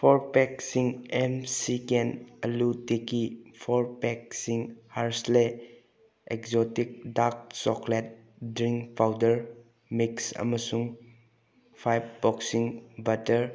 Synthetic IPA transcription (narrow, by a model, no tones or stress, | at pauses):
pʰɔɾpɛk̚siŋemsikenɐlutekipʰɔɾpɛk̚siŋhaɾsle | ekzɔtik̚dak̚sɔklet̚ | dɾiŋkpʰawdəɾ | miksɐ̰məsuŋ | pʰajb̚ːɔksiŋbɐtəɾ